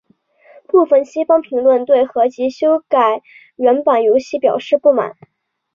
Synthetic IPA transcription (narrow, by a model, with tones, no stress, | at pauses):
pu˥˩fə˧˩nɕi˥fɑ˥ŋpʰi˧˥ŋlwə˥˧nt̪we˥˩ɪxɤ˧˥t͡ɕi˧˥ɕjo˥ʊka˨˩ɪ | ɥɛ˧˥npə˨˩njo˧˥ʊɕi˥˩pjɑ˨˩ʊʂɻ̩˥˧pu˥˩ma̰˨˩˦n